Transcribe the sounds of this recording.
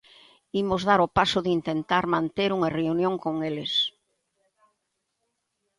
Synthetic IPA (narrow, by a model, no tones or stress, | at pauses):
imozðaɾopasʊðint̪ent̪aɾmãnt̪eɾuŋɐreunjõŋkoŋeles